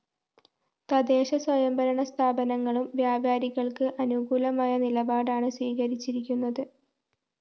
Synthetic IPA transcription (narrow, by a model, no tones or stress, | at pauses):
t̪ɐd̪e̞ːɕɐswɐjɐmbɐɾɐɳɐst̪ʰaːbɐnɐŋːɐɭumʋjaːbaːɾiɣɐɭkɨʔɐnuɡuːlɐmaːjɐnilɐbaːɽaːɳɨswiːɣɐɾit͡ɕːiɾikʲːunːɐðɨ